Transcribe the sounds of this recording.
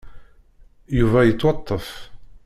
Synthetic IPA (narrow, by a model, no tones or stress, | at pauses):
juvæjət͡sːwɑt̪ˤːəf